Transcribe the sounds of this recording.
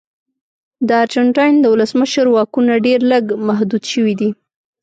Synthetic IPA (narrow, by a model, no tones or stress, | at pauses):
d̪əaɾd͡ʒaɳʈɑjnd̪əwʊləsməʃəɾwɑkunaɖeɾləɡmaɦd̪ud̪ʃəwid̪i